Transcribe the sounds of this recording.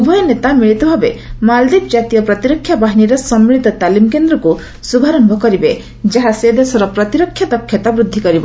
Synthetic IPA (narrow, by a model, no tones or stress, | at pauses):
ubʱɔjɔnet̪amiɭit̪ɔbʱabemald̪ib̚d͡ʒat̪ijɔpɾɔt̪iɾɔkʰːjabaɦiniɾɔsɔmːiɭit̪ɔt̪alimkend̪ɾɔku | subʱaɾɔmbʱɔkɔɾibe | d͡ʒaɦased̪esɔɾɔpɾɔt̪iɾɔkʰːjad̪ɔkʰːjɔt̪abɾud̪ʱːikɔɾibɔ